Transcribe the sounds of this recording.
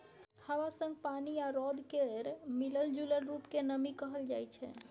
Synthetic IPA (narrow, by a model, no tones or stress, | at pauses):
həwasə̃ŋɡ̚paniaɾɔd̪keɾmiləld͡ʒuləlɾupkenəmikəɦəld͡ʒa̰jt͡ʃʰɛ̰